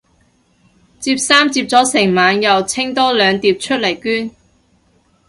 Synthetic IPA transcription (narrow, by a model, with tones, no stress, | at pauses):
t͡siː˧p̚saː˥mt͡siː˧p̚t͡sɔː˨˥sɪ˨˩ŋmaː˨˧njɐ˨wt͡sʰɪ˥ŋt̪ɔː˥lœː˨˧ŋt̪iː˧p̚t͡ʃʰɵ˥t̚lɐ˨˩jkyː˥n